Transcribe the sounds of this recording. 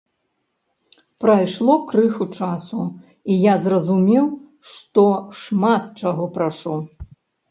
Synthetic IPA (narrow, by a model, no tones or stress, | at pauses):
pɾajʂlˠɔkɾɨxut͡ʂasu | ijazrɐzumʲɛw | ʂt̪ɔʂmat̪̚t͡ʂaɣɔpɾaʂu